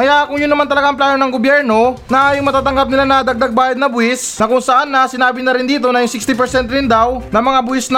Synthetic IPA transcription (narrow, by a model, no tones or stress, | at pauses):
kɐjakʊŋjʊnːɐmant̪ɐlɐɡaʔɐŋplaːnonɐŋɡobjɛɾno̞nɐjʊŋmɐt̪aːt̪ɐŋɡap̚nɪlanɐd̪ɐɡ̚d̪aɡ̚baːjɐd̪̚nɐbʊɪsnɐkʊŋsɐʔanːɐsɪnaːbɪnɐɾɪnd̪iːt̪o̞nɐjʊŋsɪkst̪ɪp̬ɛɾsɛnt̪ɾɪnd̪awnɐmɐŋabʊɪsn